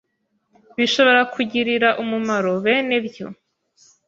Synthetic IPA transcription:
βiʃo̞βo̞ɾakʰuɟiɾiɾaʔumumaɾoβenebjo̞̰

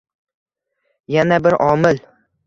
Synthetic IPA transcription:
janabɪɾʔɒːmɪl

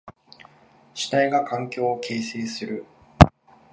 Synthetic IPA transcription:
ɕi̥t̪aiɡakʰãŋkʲo̞ːokʰe̞ːse̞ːsɨɾɯ̟

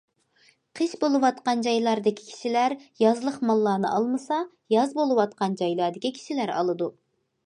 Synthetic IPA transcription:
qʰəʃbolˠɨwɑt̪qɑnd͡ʒɑjlˠɑɾd̪ɪkʲʰi̥kʲʰi̥ʃɪlæɾjɑzlˠəχmɑlˠːɑːnɨ̰ʔɑlˠmɨsɑ | jɑzbolˠɨwɑt̪̚qɑnd͡ʒɑjlˠɑɾd̪ɪkʲikʲʰi̥ʃilæɾɑ̰lˠɨd̪u

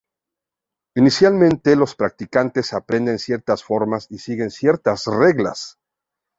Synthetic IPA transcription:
inisjalmẽ̞nt̪elo̞spɾak̚t̪ikant̪e̞sapɾẽ̞nd̪e̞nsje̞ɾt̪asfo̞ɾmasisiɣe̞nsje̞ɾt̪azre̞ɣla̰s

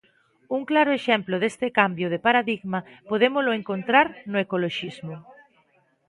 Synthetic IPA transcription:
uŋklaɾʊeʃemplʊðest̪ɪkambjʊð̞epaɾaðiɣmapoðemʊslʊeŋkont̪ɾaɾnʊekoloʃizmʊ

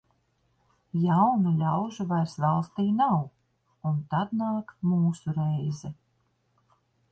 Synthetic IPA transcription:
jawnulʲawʒuvajɾsvalˠst̪iːnaw | unt̪ad̪naːkmuːsuɾɛjzɛ

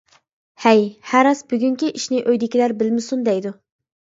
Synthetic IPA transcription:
hɛjhæɾɑsbyɡʲyŋkʲiʔiʃnɪʔøjd̪ɪkʲilæɾbɪlmɪsund̪ɛjd̪u

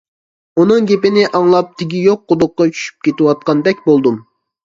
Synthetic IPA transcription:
unɨŋɡʲepɪnɪʔɑŋlˠɑp̚t̪ʰɪɡʲijoq̚ːʊd̪ʊq̚ːɑt͡ʃʰy̥ʃy̥p̚kʲet̪ɪwɑt̪̚qɑnd̪ɛkʲbolˠd̪um

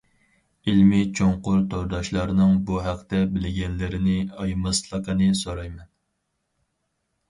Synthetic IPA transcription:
ilmɪt͡ʃʰoŋqʊɾt̪ʰoɾd̪ɑʃlˠɑɾnɨŋbuɦæqt̪ɛbɪlɪɡʲɛnlɪɾɪnɪɑjmɑslˠəqənɨsoɾɑjmɛn

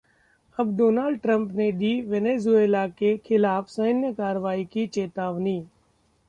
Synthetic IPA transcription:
ɐbdoːnaːlɖ̚ʈɾə̃mpned̪iːʋeneːzuelakekʰɪlaːfsəɦnjəkaːɾʋaːikit͡ʃeːt̪aːʋniː

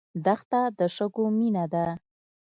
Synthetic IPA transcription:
d̪axt̪ad̪əʂəɡominad̪a

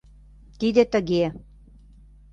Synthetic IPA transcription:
t̪id̪ĕt̪ə̆ɣe

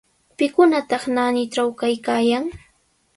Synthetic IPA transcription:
pɪkʊnat̪ɑχnanɪʈ͡ʂawkajkaːjaŋ

